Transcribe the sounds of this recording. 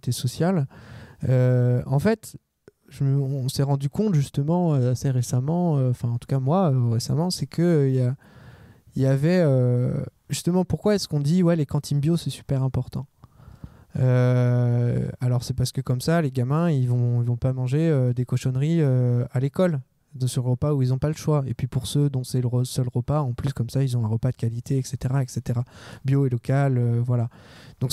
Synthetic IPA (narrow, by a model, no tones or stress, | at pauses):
t̪esɔsjal | øɑ̃fɛt̪ | ʒ̥əməɔ̃sɛʁɑ̃d̪ykɔ̃t̪ʒyst̪əmɑ̃øasɛʁesamɑ̃øɑ̃fɛ̃ɑ̃t̪u̥kamwaøʁesa̰mɑ̃sɛkʰəilja | iljavɛø | ʒyst̪əmɑ̃puʁkwaɛskɔ̃d̪iwɛlekɑ̃t̪ʰinbjosɛsy̥pɛʁɛ̃pɔʁt̪ɑ̃ | ø | alɔʁsɛpaʁsə̥kəkɔmsaleɡamɛ̃ilvɔ̃ilvɔ̃pamɑ̃ʒeød̪ekɔʃɔnʁiøalekɔl | d̪əsəʁəpauilzɔ̃paləʃwaepɥipuʁsød̪ɔ̃sɛləʁəsœlʁəpaɑ̃plyskɔmsailzɔ̃ɛ̃ʁəpad̪əkalit̪eɛkset̪eʁaɛkset̪eʁabjoelɔkaløvwalad̪̥ɔ̃k